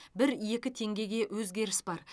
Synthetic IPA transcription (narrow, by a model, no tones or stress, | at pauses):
bɪɾje̞kʲɪt̪ʰe̞ŋɡʲe̞ɡʲe̞ʔwɵzɡʲe̞ɾɪsbɑɾ